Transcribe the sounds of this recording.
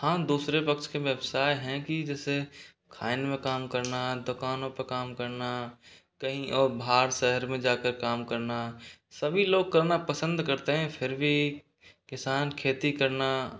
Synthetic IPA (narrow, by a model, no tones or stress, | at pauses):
hãːd̪uːsɾepɐkʃkeʋjəbsaːeɦɛ̃kid͡ʒɛːse | kʰaːɪnmẽkaːmkɐɾnad̪ʊkaːnõpəkaːmkɐɾna | kɐɦĩʔɔːɾbʱaːɾʃɛɦəɾmẽd͡ʒaːkəɾkaːmkɐɾnasɐbʱiloːɡ̚kɐɾnapəsə̃nd̪kɐɾt̪eɦɛ̃pʰɪɾbʱi | kɪsaːnkʰeːt̪ikɐɾna